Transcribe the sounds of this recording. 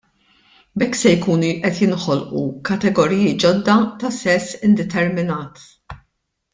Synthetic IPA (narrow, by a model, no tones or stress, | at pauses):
bɛkːsɛjkuːnʔɛt̪jɪnħɔlʔṵkɐt̪ɛɡɔɾiːjɪd͡ʒɔd̪ːɐt̪ɐsɛsːɪnd̪ɛt̪ɛɾmɪnɐːt̪